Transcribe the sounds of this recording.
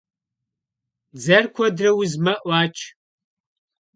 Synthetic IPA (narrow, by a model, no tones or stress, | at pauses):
d͡zɐrkʷʰɔdrɐwʊzmɐʔʷɑːt͡ʃʰʼ